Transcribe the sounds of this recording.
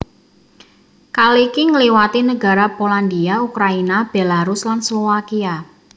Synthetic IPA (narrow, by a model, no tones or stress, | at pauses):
kalikiŋəliwat̪inəɡa̤ɾapoland̪iaukɾainab̥elaɾuslanslowakia